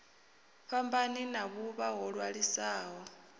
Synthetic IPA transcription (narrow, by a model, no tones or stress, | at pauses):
ɸambaninaβuβaɦɔɺwaɺisaːɦɔ